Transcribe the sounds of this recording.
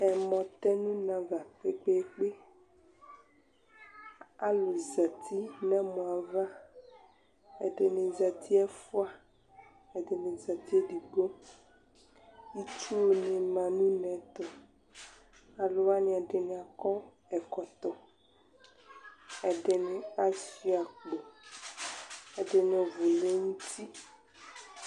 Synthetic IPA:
ɛ˨mɔ̃˨t̪ɛ˦nũ˦nã˨va˨k͡pe˦k͡pe˦k͡pe˦ | a˨lo˨za˨t̪ʰi˦nã˦mɔ̃˨a˨va˦ | ɛ˨ɖe˨nẽ˨za˨t̪ʰi˦ɛ˦fu˦a˦ | ɛ˨de˨nẽ˨za˨t̪i˦ɛ˦ɖi˨ɡ͡bo˦ | i˦t͡ʃu˦o˨nẽ˨mã˨nũ˦nɛ̃˨˦t̪ɔ˨ | a˨lo˦wa˦nĩ˨a˨ɖe˨ne˨a˨kɔ˦ | ɛ˨kɔ˨t̪ɔ˨ | ɛ˨ɖe˨nẽ˨a˦sfi˦a˨k͡po˨ | ɛ˨ɖe˨nẽ˨vo˨le˦ŋũ˦t̪i˦

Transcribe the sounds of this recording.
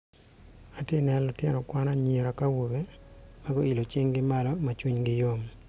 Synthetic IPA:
a˨tɪ˦nɛ˨lɔ˨tjɛ˦nɔ˨kwa˦na˦ɲe˨ɾa˨ka˦wo˨be˦ma˦ɡɔ˦i˨lo˨t͡ʃe˦ŋɡɪ˦ma˦lɔ˦ma˨t͡ʃwi˦ɲɡɪ˦jo˦m

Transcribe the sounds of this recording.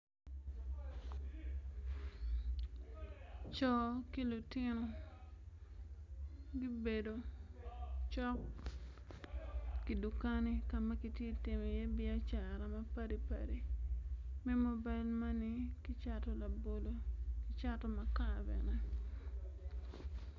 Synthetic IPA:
t͡ʃɔ˨ki˦lu˨tɪ˦no˨ | ɡi˦be˨do˨ | t͡ʃɔ˦k | ki˨du˨ka˦ni˨ka˨ma˦ki˨tje˦ti˨mi˨je˦bɪ˦a˦t͡ʃa˨ɾa˨ma˦pa˦di˨pa̰˨ɾi˨ | mɛ˦mo˦ba˦ɪlma˦ni˦ki˦t͡ʃatɔ˨la˨bo˨lo˨kɪ˦t͡ʃa˦tɔ˦ma˨ka˨bɛ̰˨nɛ˦

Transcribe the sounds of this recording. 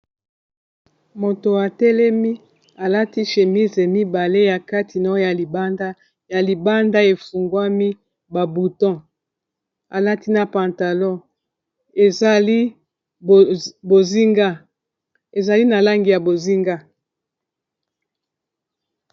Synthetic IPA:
mo˨to˨a˨tɛ˦lɛ˦mi˦ | a˨la˦ti˦ʃe˨mi˦ze˨mi˦ba˨le˦ja˨ka˦tʰi˨na˨˦ja˨li˨ba˦nda˦ | ja˨li˨ba˦nda˦e˨fu˨ŋɡwa˦mi˦ | ba˨bu˨tɔ̃˦ | a˨la˦ti˦na˨pã˨nta˨lɔ̃˦˨ | e˨za˨li˦˨ | bo˨zi˦ŋɡa˦ | e˨za˨li˦na˨la˦ŋɡi˨ja˨bo˨zi˦ŋɡa˦

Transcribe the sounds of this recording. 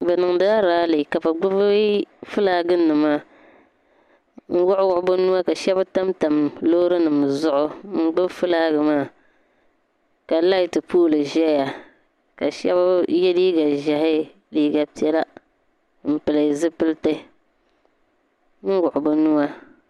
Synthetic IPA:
bɛ˨nɨ˨ŋ˨da˦a˦ɾaː˦lɨ˨ka˨pa˨ɡ͡bʊ˦bɨ˦fɨ˦laː˦ɡɨ˦nɨ˨maː˦˨ | ŋ̩˦wʊ˦ʔʊ˦wʊ˦ʔʊ˦bʊ˦nu˦a˦ka˨ʃɛ˦ba˦ta˦mta˨mlo˦ɾɨ˦nɨ˨m˨zʊ˦ʔʊ˦ŋ͡m̩˦ɡ͡bʊ˦bfɨ˦laː˦ɡɨ˨maː˦˨ | ka˨la˦i˦tɨ˨puː˦lɨ˨ʒɛ˦ja˨ | ka˨ʃɛ̰˦ba˦jɛ˦liː˦ɡa˨ʒa˨hɪ˦ | liː˦ɡa˨pi˦ɛ˦la˦ | m̩˨pɨ˨la˨zɨ˦pɨ˦ltɨ˦ | n̩˦wʊ˨ʔʊ˨bʊ˦nu˦wa˦

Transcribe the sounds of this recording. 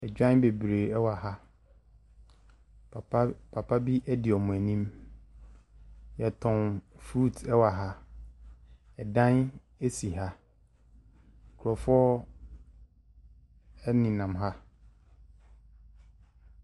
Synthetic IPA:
ɛ˨d͡ʑᶣã˦n˦be˨bɾe˨ɛ˦wa˨ha˦˨˦ | pʰa˨pʰa˦bi˦ʔɛ˦dɪ˨ɔ˨mʊ̃˨æ˨nĩ˦m | jɛ˨tʰʊ̃˨nfɾu˦˨tʰɛ˦wa˨ɦa˦ | ɛ˨dã˦n | e˦si˨ɦa˦˨ | kʰɔ˨fʊ˦ɔ˦ | ɛ˦nĩ˨nã˨mɦa˦

